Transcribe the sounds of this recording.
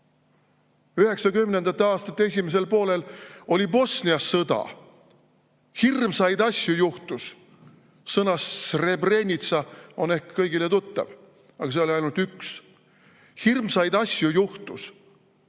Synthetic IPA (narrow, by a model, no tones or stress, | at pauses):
yhe̞ksɑkymnend̪̥ɑt̪ːeɑːst̪ɑt̪ːee̞sʲimes̬e̞lpo̞ːle̞lo̞lʲibo̞sniɑsːɤd̪ɑ̰ | hirmsɑjd̪ɑsʲjujuht̪usː | ɤnɑsre̞bre̞nʲit̪sɑo̞ne̞hkkɤjɡilet̪ut̪ːɑ̰v | ɑɡ̥ɑs̬eo̞lʲiɑjnult̪yks | hirmsɑjd̪ɑsʲjujuht̪us